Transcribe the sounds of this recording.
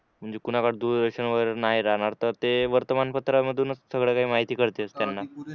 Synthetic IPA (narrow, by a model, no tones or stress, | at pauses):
m̤əɳd͡zekunakaɽd̪uɾd̪əɾɕənʋəɾnaɦiɾaɦɽ̃aɾt̪əɾt̪eʋəɾt̪əmanpət̪ɾaməd̪ʱːuːnəssəɡɭjakaɦiːmaɦit̪iːkəɾt̪eəst̪janːa